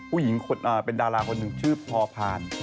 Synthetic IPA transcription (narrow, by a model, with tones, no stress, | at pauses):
ppʰuː˥˩ji˩˦ŋkʰo˧nʔaː˨˩pe˧ndaː˧laː˧kʰo˧nːɯ˨˩ŋt͡ɕʰɯː˥˩pʰɔː˧pʰaː˧n